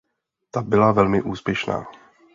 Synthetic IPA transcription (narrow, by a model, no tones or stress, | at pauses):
t̪abɪlavɛlmɪʔuːspjɛʃna̰ː